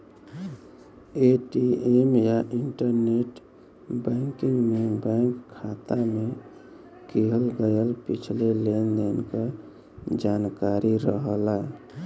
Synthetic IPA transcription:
eʈiemjaʔiɳʈəɾneʈ | bəŋkiŋɡmebəŋkʰːat̪ame | kiɦəlɡəjəlpit͡ʃʰlelend̪enke | d͡ʒankaɾiɾəɦəla

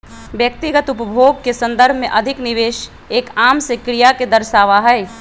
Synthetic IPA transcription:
ʋjɐk̚t̪ɪɡət̪ʊpəbʱoːɡ̚kesɐ̃nd̪əɾbʱmḛ̃ʔɐd̪ʱɪknɪʋeːʃ | eːkaːmsekɾɪjaked̪ɐɾʃaːʋaɦɛː

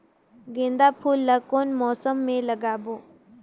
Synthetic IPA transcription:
ɡẽːnd̪apʰuːlːəkoːnmɔːsəmːẽləɡaːboː

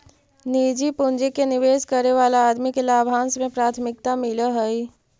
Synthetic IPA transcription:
niːd͡ʒipʊnd͡ʒikenɪʋeːskəɾeʋaːlaːd̪mikelaːbʱaːnsmẽpɾaːt̪ʰmɪk̚t̪amɪləɦəi

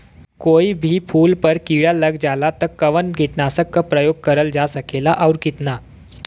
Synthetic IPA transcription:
koibʱiːpʰuːlpəɾkiɭjaləɡd͡zalat̪əɾkːəʋənɡʱet̪nasəkːəpɾəjoɡ̚kəɾəld͡zasəkelaʔawɾkit̪na

